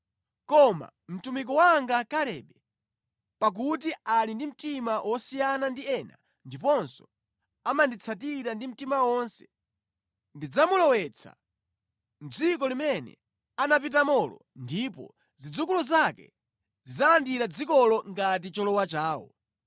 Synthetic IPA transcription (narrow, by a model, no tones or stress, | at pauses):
kɔma̰ | m̩tumik̬ɔwaŋɡakalɛːɓɛ | pak̬utialindim̩timawʔɔsijanandiɛna | ndipɔnsɔ | amandit͡sʰatiɾandim̩timawɔnsɛ̥ | ndid͡zamulɔwɛt͡sʰa̰ | n̩d͡zik̬ɔlimɛnɛ̰ | anap̬it̬amɔlɔ̰ | ndipɔ̰ | zid͡zukulɔzakɛ̰ | zid͡zalandiɾad͡zikɔlɔŋɡat̬it͡ʃɔlɔwat͡ʃaːwɔ̰